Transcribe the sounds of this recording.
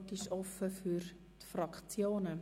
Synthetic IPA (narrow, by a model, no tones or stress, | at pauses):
tɪʃɔfəfyɾ | tfrɑkt͡sjoːnə